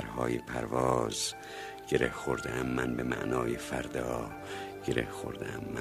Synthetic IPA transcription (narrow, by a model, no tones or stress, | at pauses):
ɾhɒːjepʰæɾvɒːz̥ | ɟ̥eɾehxoɾd̪eʔæmːænbemæ̰ʔnɒːjefæɾd̪ɒː | ɟ̥e̞ɾehxo̰ɾd̪eʔæmːæ